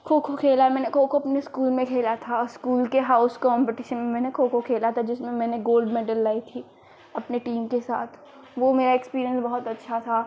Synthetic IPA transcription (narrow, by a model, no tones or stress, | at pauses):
kʰoːkʰokʰeːlamɛ̃ːnekʰoːkʰoɐpneskuːlmẽkʰeːlat̪ʰaskuːlkeɦaːʊskɔ̃ːmpɪʈɪʃənmẽmɛ̃ːnekʰoːkʰokʰeːlat̪ʰad͡ʒɪsmẽmɛ̃ːneɡoːlɖmeːɖəlːaːit̪ʰiː | ɐpneʈiːmkesa̰ːt̪ʰ | ʋomeːɾaekspiːɾijə̃nsbɐɦʊt̪ɐtːʃʰat̪ʰaː